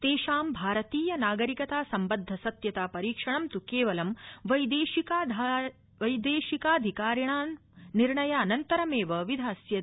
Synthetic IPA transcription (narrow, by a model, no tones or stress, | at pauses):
t̪eːʃaːmbʱaːɾɐt̪iːjɐnaːɡɐɾikɐt̪aːsɐmbɐd̪ʱːɐsɐt̪jɐt̪aːpɐɾiːkʂɐɳɐmt̪ukeːʋɐlɐmʋɐjd̪eːʃikaːd̪ʱ | ʋɐjd̪eːʃikaːd̪ʱikaːɾjɐɳaːn | niɾɳɐjaːnɐnt̪ɐɾɐmeːʋɐʋid̪ʱaːsjɐ